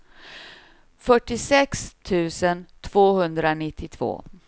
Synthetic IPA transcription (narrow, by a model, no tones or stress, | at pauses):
fœʈːɪsɛkst̪ʰʉ̟ːsənt̪ʰv̥oːhɵnd̪ɾanɪt̪ʰːɪt̪ʰv̥o̰ː